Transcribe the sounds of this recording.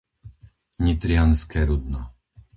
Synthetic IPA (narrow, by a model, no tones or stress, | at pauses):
ɲit̪ɾɪanskɛːɾud̪nɔ